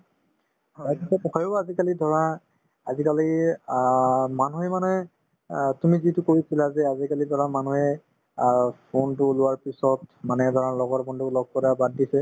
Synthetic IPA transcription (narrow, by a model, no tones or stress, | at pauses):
ɔɛtikɛpkɔjʊazikalidʱɔɹa | azikali | manuɦɛmanɛ | tumizitʊkoɹisilazɛazikalidʱɔɹamanuɦɛ | pʰontʊlʊwaɹpisɔtmanɛdʱɔɹalɔɡɔɹbɔndulɔɡ̚kɔɹabadːisɛ